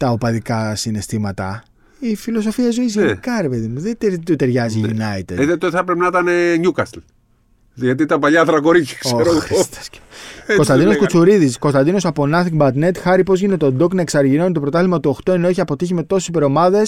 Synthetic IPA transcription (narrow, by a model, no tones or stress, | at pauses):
t̪ɐopɐðikɐsine̞st̪imɐt̪ɐ̰ | ifilo̞so̞fiɐzo̞izʝkɐɾe̞pe̞ðimuðet̪et̪ut̪eɾʝɐziʝinɐit̪eðet̪oθɐpɾepenɐit̪ɐneɲukɐsl | ðʝɐt̪̬iit̪ɐmpɐʎɐðɾɐko̞ɾiçksoeɾoxɾst̪ɐ̥scko̞st̪ɐnd̪ino̞skut͡suɾiðisko̞st̪ɐnd̪ino̞sɐponɐθiŋɡbɐt̪ne̞t̪xɐɾipo̞zʝine̞t̪o̞d̪oknɐeksɐɾʝino̞nit̪o̞pɾot̪ɐθlimɐt̪uoxt̪o̞enoeçiɐpo̞t̪içime̞t̪o̞se̥sipe̞ɾo̞mɐðe̞s